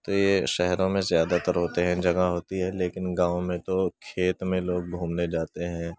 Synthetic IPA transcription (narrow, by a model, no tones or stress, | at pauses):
t̪ojeʃɛɦɾõmẽzjaːd̪at̪əɾɦoːt̪eɦɛ̃d͡ʒɐɡaɦoːt̪iɦɛleːkɪnɡãːõmẽt̪okʰeːt̪mẽloːɡ̚bʱuːmned͡ʒaːt̪eɦɛ̃ː